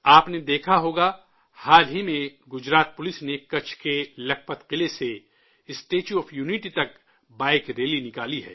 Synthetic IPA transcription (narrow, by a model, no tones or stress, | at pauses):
aːpned̪eːkʰaɦoːɡa | haːlɦimẽɡʊd͡ʒɾaːt̪̚pʊlɪsnekɐt͡ʃʰkelɐk̚pət̪qɪlese | ɪsʈeːt͡ʃuɔːfjuːniʈit̪ɐk̚ | baːɪkɾeːlinɪkaːliɦɛ̰ː